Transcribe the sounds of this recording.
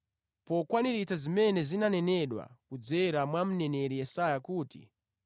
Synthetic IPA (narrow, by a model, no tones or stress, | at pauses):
pɔkwaniɾit͡sazimɛnɛzinanɛnɛɗwa̰kud͡zɛɾamwam̩nɛnɛɾijɛsajakuːtḭ